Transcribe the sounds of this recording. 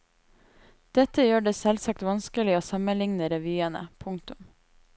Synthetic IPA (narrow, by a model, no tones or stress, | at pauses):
d̪̥ɛt̪əjøːɖeːsɛlsɑkt̪ʋɑnskəlɪoːsɑmənlɪŋnəɾɛʋyːənə̰pʰʊŋkt̪ʊm